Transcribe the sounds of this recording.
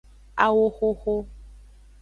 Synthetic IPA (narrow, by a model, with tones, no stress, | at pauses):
a˨wo˦xo˦xo˦